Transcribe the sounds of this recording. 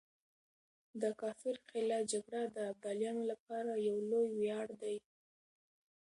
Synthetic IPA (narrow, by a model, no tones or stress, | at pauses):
d̪əkɑfɪɾqɪlɑd͡ʒaɡɽad̪əab̚d̪ɑljɑnolap̚ɑɾajawlojwjɑɽd̪aj